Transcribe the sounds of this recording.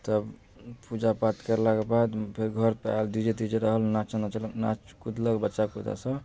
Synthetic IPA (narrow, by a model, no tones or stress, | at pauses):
t̪əb | pud͡ʒapat̪kəɾlakebad̪pʰeɾɡʱəɾpald̪id͡ʒet̪id͡ʒeɾəɦəlnat͡ʃnat͡ʃlna̰t͡ʃkud̪ləkbətːʃakod̪a̰sə̃